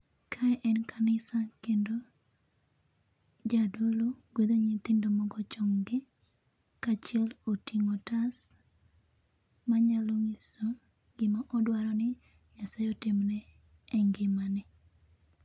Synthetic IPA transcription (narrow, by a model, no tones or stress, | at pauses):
kʰaʔɛnkʰanɪsakendo | d͡ʒadoloɡwed̪oɲɪt̪ɪndomɔɡɔt͡ʃɔŋɡɪ | kat͡ʃɪɛlotiŋɔtas | maɲaloŋɪso | ɡɪmaʔɔdwaɾɔnɪ | jasajɔtɪmnɛ | ɛŋɡɪmanɪ